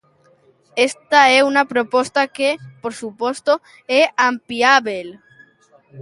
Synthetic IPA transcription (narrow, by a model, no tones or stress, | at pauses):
est̪aeunapɾopost̪akepoɾsupost̪o | eampiaβel